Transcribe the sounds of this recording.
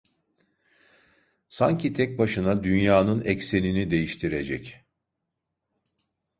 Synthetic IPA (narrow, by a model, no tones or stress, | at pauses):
sa̰ɲcʰit̪ʰɛc̚baʃɯnad̪ynjaːnɯnɛcse̞ninid̪e̞jiʃt̪ʰiɾe̞d͡ʒɛ̰c